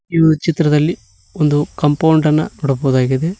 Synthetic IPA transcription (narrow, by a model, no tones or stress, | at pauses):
iːʋɐut͡ʃit̪ɾɐd̪ɐlːi | ond̪ukɐmpɐwɳɖɐnːɐ̰nɔɽɐboːd̪aːɡid̪e